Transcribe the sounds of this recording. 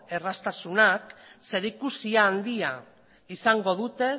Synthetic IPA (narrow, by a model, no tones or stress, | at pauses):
e̞rast̪asunakse̞ɾikusiaːnd̪ia | isaŋɡo̞ð̞ut̪e̞